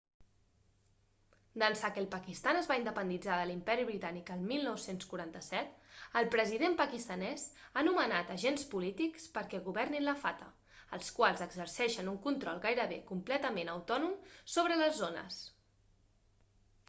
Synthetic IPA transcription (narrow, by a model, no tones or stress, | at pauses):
d̪ənsakəlˠpəkist̪anəzβaind̪əpənd̪id͡zaðəlimpɛɾiβɾit̪anikəlˠmilˠnɔwsenskuɾant̪əsɛt̪əlˠpɾəziðempəkist̪ənɛzanumənat̪əʒenspulit̪ikspəɾkɛɣuβɛrninləfat̪ə̰ | əlˠskwalˠzəɡzəɾrsɛʃənuŋkunt̪ɾɔlˠɣajɾəβekumplɛt̪əmenəwt̪ɔnumsoβ̞ɾələzːonə̰s